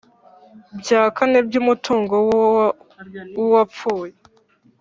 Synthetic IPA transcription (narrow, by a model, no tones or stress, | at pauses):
bjaːkanebɟuːmutʰuːŋɡo | wuwapp͡fuːje